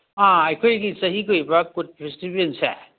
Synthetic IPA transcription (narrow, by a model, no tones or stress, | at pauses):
aɐjkʰojɡisɐɦikojbɐkud̚pɾistibiensɛ̰